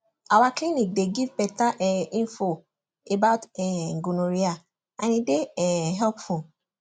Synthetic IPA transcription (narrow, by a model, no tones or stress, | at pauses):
awãklinĩk̚deɡivpɛtaʔɛĩnfo | ebaʊtɛŋ̩ɡunõɾia | anĩdeɛɦɛpfɔ̃